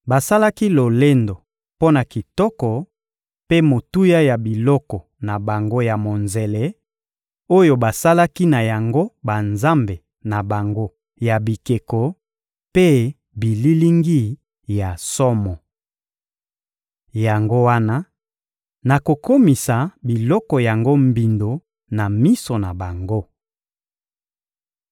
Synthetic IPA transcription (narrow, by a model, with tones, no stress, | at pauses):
ba˨sa˦la˦ki˦lo˨le˦ndo˨ | po˦na˨ki˨tɔ˦kɔ˨ | pe˦mo˨tu˦ja˦ja˨bi˨lɔ˦kɔ˨ | na˨ba˨ŋɡo˦ja˨mo˨nze˨le˦ | o˦jo˦ba˨sa˦la˦ki˦na˨ja˨ŋɡo˦ba˨nza˦mbe˨ | na˨ba˨ŋɡo˦ | ja˨bi˨ke˨kɔ˨ | pe˦ | bi˨li˦li˦ŋɡi˦ | ja˨sɔ˦mɔ˨ | ja˨ŋɡo˦wa˦na˦ | na˨ko˨ko˦mi˨sa˨bi˨lɔ˦kɔ˨ja˨ŋɡo˦mbi˨ndo˨ | na˨mi˦so˨na˨ba˨ŋɡo˦